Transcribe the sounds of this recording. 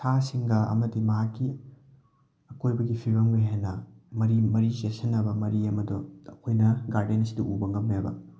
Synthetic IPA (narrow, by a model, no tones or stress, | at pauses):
tʰasiŋɡɐɐ̰mɐdimɐɦakːi | ɐkojbɐɡipʰiɾɐmɡɐɦenɐmɐɾimɐɾisesɐnːɐbɐmɐɾiɐmɐdoɐkʰojnɐɡaɾdenɐsidɐʔubɐŋɡɐmːabɐ̰